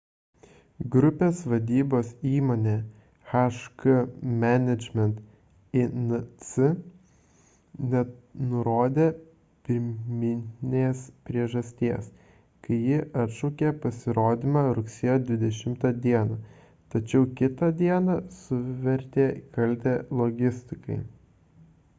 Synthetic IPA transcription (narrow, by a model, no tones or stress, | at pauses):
ɡɾʊpʲeːsʋɐd̪ʲiːboːsiːmoːnʲeː | xɑʃkɐmʲænʲɛd͡ʒʲmʲɛnt̪ | ɪnsɪ | nʲɛnʊɾoːd̪ʲeː | pʲɪɾʲmʲɪnnʲeːspʲɾʲiɛʒɐsʲt̪ʲiɛs | kɐɪjɪʔɐt̪ʃɔʊkʲeːpɐsʲɪɾoːd̪ʲɪmɑɾʊksʲeːjoːd̪ʲʋʲɪd̪ʲɛʃʲɪmt̪ɑd̪ʲiɛnɐ | t̪ɐt͡ʃʲɛʊkʲɪt̪ɐd̪ʲiɛnɑsʊʋʲɛɾʲt̪ʲeːkɐlʲt̪ʲeːlˠoːɡʲɪsʲt̪ʲɪkɐ̰ɪ